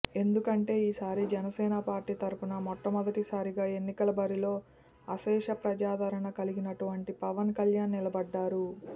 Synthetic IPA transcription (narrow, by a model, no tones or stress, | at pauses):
e̞nd̪ukɐɳʈe̞ːiːsaːɾid͡ʒɛnɐsɛːnɐpaːɾʈiːt̪ɐɾupunɐmɔʈːɐmɔd̪ɐʈisaːɾiɡaːe̞nːikɐlɐbɐɾilo̞ː | ɐsɛːʂɐpɾɐd͡ʒaːd̪ʱɐɾɐɳɐkɐliɡinɐʈuʋɐɳʈipɐʋɐnkɐljaːnːilɐbɐɖːaːɾu